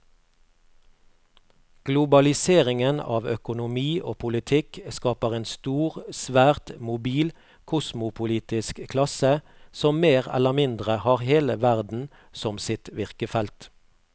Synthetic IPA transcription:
ɡ̥lʊbɑlɪseːʁɪŋənɑ̰ːʋœkʊnʊmiːʔoːpʰʊlɪt̪ʰɪkskɑːpəʁeːnst̪uːʁsʋæːʁt̪mʊbiːl | kʰʊsmʊpʰʊliːt̪ɪskkʰlɑsə | sɔmmeːʁɛ̰lːəʁmɪnd̪ʁəhɑːʁheːləʋæʁd̪n̩ | sɔmsɪt̪ʋɪʁkəfɛlt̪

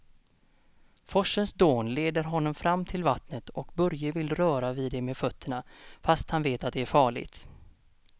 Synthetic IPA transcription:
fɔʂːənsd̪oːnleːd̪əɾɦɔnːɔmfɾamːt̪ʰɪlvat̪nət̪ɔkbɵɾjəvɪlɾœːɾavɪd̪ɛmeːdfœt̪ʰːəɳafast̪hanveːt̪at̪̚d̪ɛæɾfɑːɭɪ̰t̪

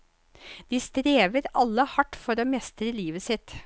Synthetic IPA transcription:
d̪̥iːst̪ɾeːʋəɾɑlːəhɑʈːfɔɾoːmɛst̪ɾəliːʋəsɪt̪

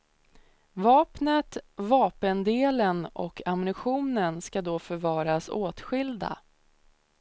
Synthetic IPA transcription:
vɑːpnət̪vɑːpənd̪eːlənɔ̰kʰamnɪɧuːnənskad̪ɔfœɾvɑːɾasoːt̪ɧɪld̪a̰

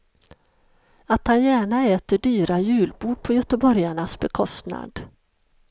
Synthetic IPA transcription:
at̪hanjæːɳaɛːt̪əɖyːɾajʉ̟ːlbuːɖ̚pʰɔjœt̪əbɔɾjaɳasbɛkʰɔst̪na̰d̪

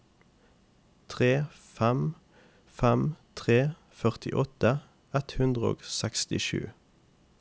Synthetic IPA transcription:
t̪ʰʁeː | fæm | fæmt̪ʰʁeː | fœʁt̪ʰɪʔɔt̪ə | ɛt̪hʉnd̪ʁəo̰ːɡsɛkst̪ɪʃʉ̰ː

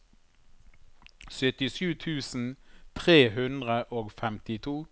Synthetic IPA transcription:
sœt̪ɪʃʉːt̪ʰʉːsn̩t̪ʰʁeːɦʉnd̪ʁəʔoːɡfɛmt̪ɪt̪ʰuː

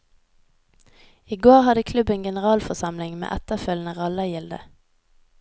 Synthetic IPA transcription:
iːɡoːʁhɑd̪əkʰlʉbənɡɛnəʁɑːlfɔsɑmlɪŋmḛːʔɛt̪əfœlnəʁɑləjɪld̪ə̰

